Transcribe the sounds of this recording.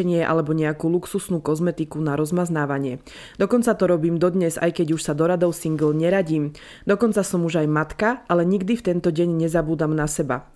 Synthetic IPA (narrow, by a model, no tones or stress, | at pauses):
ɛɲɪɛʔa̰lɛbɔɲɛakuːluksusnuːkɔzmɛt̪ikunaɾɔzmaznaːʋaɲɪɛ | d̪̥ɔkɔnt͡sat̪ɔɾɔbiːmd̪ɔd̪ɲɛza̰jkɛɟuʃsad̪ɔɾad̪ɔʊsiŋɡl̩ɲɛɾaɟiːm | d̪ɔkɔnt͡sasɔmuʒajmat̪kaʔalɛɲiɡd̪ift̪ɛnt̪ɔɟɛɲɲɛzabuːd̪amnasɛba̰